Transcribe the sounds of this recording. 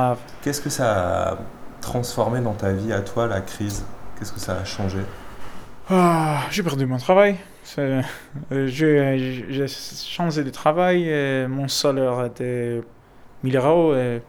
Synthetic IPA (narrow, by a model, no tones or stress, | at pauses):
avkʲɛskəsaː | t̪χɑ̃sfɔʁmed̪ɑ̃t̪aviat̪walakχizkʲɛskəsaːʃɑ̃ʒe | aʒepɛʁd̪ymɔ̃t̪χavaj | sɛ | ʒeʒeʃɑ̃ʒed̪ət̪χavajemɔ̃sɔlœʁet̪ɛ | mileʁoe